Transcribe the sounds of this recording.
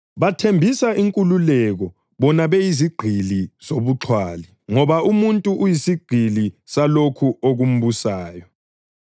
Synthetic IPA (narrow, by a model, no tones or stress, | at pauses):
βatʰembʱisaʔiŋkʼululɛɣɔ | βɔnaβejiziɡ͡ǃʱiliz̥oβuǁʰwaːli | ŋɔβaumuntʼuʔujisiɡ͡ǃʱilisalokʰuʔoɣum̩βusaːjɔ